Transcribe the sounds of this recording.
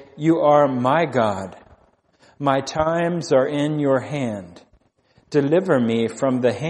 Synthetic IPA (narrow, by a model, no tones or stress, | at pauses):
jɨʔə˞maɪɡɑd̥̚ | maɪtʰãɪ̃mzə˞ɪ̃njə˞hæ̃nd | d̥ɨlɪvə˞mifɹʌ̃mðɨhæ̃